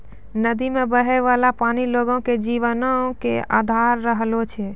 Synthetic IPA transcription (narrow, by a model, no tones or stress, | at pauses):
nəd̪imebəɦɛjʋalapaniloɡõked͡ʒiʋənokea̰d̪ʱaɾːəɦlot͡ʃʰɛ